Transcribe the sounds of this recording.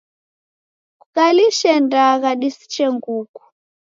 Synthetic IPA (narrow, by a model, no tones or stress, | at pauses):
kukaliʃɛndaɣaɗisi̥t͡ʃɛŋɡuku̥